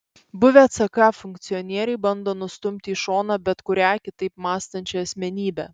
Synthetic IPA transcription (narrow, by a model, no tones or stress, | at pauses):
bʊʋʲɛɐt̪sɐkɑːfʊŋkt̪sʲɪɔnʲiɛɾʲɛɪbɐnd̪oːnʊst̪ʊmʲt̪ʲɪːʃoːnɑːbʲɛt̪kʊɾʲæːkʲɪt̪ɐɪpmɑːst̪ɐnʲt͡ʃʲɛɐsʲmʲɛnʲiːbʲɛː